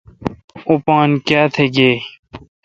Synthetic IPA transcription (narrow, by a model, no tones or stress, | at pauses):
upãːnkjaːt̪ʰeɡeː